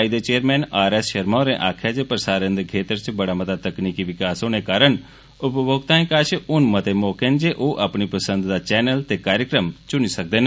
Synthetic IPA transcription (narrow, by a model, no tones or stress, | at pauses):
aɪd̪et͡ʃeːəɾmɛːnaːɾɛsʃəɾmaɾẽʔaːkʰjad͡ʒepəɾsaːɾə̃nd̪kʰeːt̪əɾt͡ʃbəɽamət̪at̪əkniːkiʋɪkaːsoːñekaːɾəɳ | ʊpboːɡ̚t̪ãːĩkaːt͡ʃʊnmət̪emɔːkend͡ʒeːʔoːʔəpɳipəsə̃nd̪d̪at͡ʃɛːnəlt̪ekaːɾjəkɾəmt͡ʃʊnisək̚d̪eːn